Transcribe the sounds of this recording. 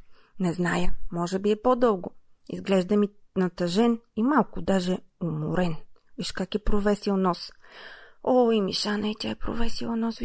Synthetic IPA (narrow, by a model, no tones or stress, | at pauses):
nɛznajəmɔʒɛbiɛpod̪ɤlˠɡʊ | ḭzɡlɛʒd̪ɐmi | nɐt̪ɐʒɛnimalˠkʊd̪aʒɛomʊ̰ɾɛnviʃkakɛpɾovɛsilˠnɔs | oimiʃanɐit̪ʲjaɛpɾo̰vɛsilˠɐnɔs